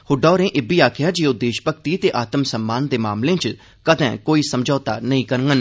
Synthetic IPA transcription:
hʊɖɔːɾẽːʔɪbiːaːkʰɪjaːd͡ʒiːoʊd̪eːʃbəkt̪iːt̪eːʔaːt̪əmsəmːaːnd̪eːmaːmlẽːt͡ʃ | kəd̪ɛ̰̃ːkoːiːsəmd͡ʒɔːt̪a̰ːnəĩːkəɾŋɡən

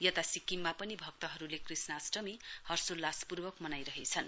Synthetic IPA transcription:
jʌt̪asikimːapʌnibʱʌk̚t̪ʌɦʌɾulekrisnʌːsʈʌmihʌrsolːaspurbʌkmʌnajɾʌɦet͡sʰʌn

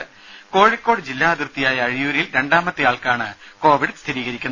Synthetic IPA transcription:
ko̞ːɻikʲːo̞ːɽɨd͡ʑilːaːɐd̪rt̪ːijaːjɐːɻijuːɾilɾe̞ɳɖaːmɐt̪ːɨjaːɭkaːɳɨko̞ːʋiɽɨst̪ʰiɾiːɣɐɾikʲːunː

